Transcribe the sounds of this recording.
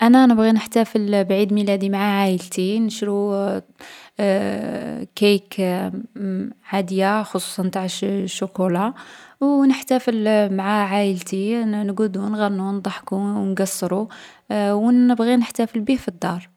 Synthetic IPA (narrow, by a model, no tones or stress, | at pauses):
ʔænænəbɣinəħt̪æfəlbʕid̪milæd̪imaʕaʕajəlt̪inəʃɾu | kæjk | ʕad̪əjaxosˤu̥sˤɑnt̪aʕʃʊkulawnəħt̪æfəlmaʕaʕajəlt̪inɡud̪unɣænːund̪ˤɑħkunɡɑsˤːɾu | wnəbɣinəħt̪æfəlbihfid̪ːɑɾˤ